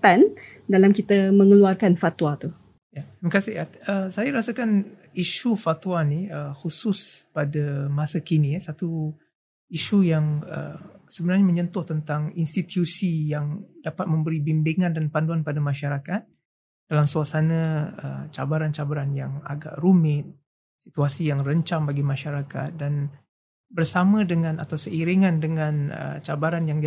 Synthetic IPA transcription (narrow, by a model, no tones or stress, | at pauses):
t̪an | dalamkit̪əməŋəluarkanfat̪wat̪u | jaməkasɪa | əsajaɾasəkan | iʃufat̪uwaniəhusʊspadamasakinijasat̪u | iʃujaŋə̰səbənarɲamə̃ɲənt̪ʊht̪ənt̪aŋinst̪it̪jusijaŋdapat̪̚mə̃mbəɾibimbiŋãndanpanduanpadamãʃaɾakat̪̚ | d̥alamsuasanə̃ə̰t͡ʃabaɾant͡ʃabaɾanjaŋa̰ɡa̰ʔrumɪt̪̚ | sit̪uasijaŋrəɲt͡ʃaŋbaɡimãʃaɾaka̰t̪̚dan | bərsamə̃dəŋãna̰t̪awsəiɾiŋandəŋanə̰t͡ʃabaɾanjaŋ